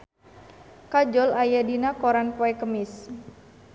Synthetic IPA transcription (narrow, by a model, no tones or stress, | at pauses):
kad͡ʒɔlajadinakɔɾanpɔɛkəmɪs